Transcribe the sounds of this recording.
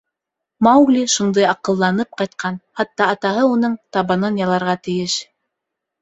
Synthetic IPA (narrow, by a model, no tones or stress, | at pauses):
mɑwɡlʲiʃund̪ɑjɑqɤ̆lˠːɑnɤp̚qɑjt̪̚qʰɑnχɑt̪ːɑɑt̪ɑɦɤunɤɴt̪ɑβɑnonjɑlˠɑɾʁɑt̪ɘ̆jɘʃ